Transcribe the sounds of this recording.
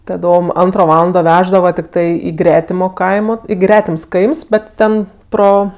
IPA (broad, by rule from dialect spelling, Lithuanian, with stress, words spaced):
tɐˈdoːm ˈɐntroː ˈʋɑːlˠɐndoː ˈʋʲæːʒdɐʋɐ tʲɪkˈtɐɪ ɪ ˈɡrʲæːtʲɪmoː ˈkɐɪmoː ɪ ˈɡrʲæːtʲɪms ˈkɐɪms ˈbʲɛt ˈtʲɛn ˈproː